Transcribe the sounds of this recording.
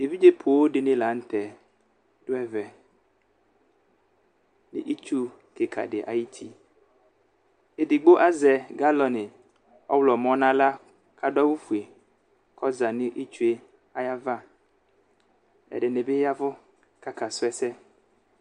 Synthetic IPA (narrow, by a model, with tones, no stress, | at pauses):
e˨vi˦d͡ʒe˦pʰo˨wo˦ɖɪ˨nɪ̃˦la˨n̩˦t̪ɛ˨ | d̥ʊ˦ɛ˦vɛ˨ | nɪ̰˨ʔi˦t͡ʃu˦ | ke˨kʰa̰˨ɖɪ˨ʔa̰˨ji˦t̪ʰi˦ | e˨di˨ɡ͡bo˦ʔa˦zɛ˨ɡa˦lɔ˨nɪ̃˨ | ɔ̰˦wlɔ˨mɔ̃˦nã˦la˦ | kʰa˨dɔ˦wʊ˦fu˨e˨ | kʰɔ˦za˨nɪ̃˦ʔi˦t͡ʃu˦e˦ | a˦ja˦va˦ | ɛ̰˨ɖɪ˨nɪ̃˨bɪ˦ja˦vʊ˦ | ka˨kʰa˨sʊ˦ɛ˦sɛ˦